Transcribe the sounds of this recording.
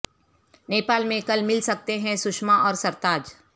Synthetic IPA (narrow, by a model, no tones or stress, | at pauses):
neːpaːlmẽkɐlmɪlsɐk̚t̪eɦɛ̃sʊʃmaʔɔːɾsɐɾt̪aːd͡ʒ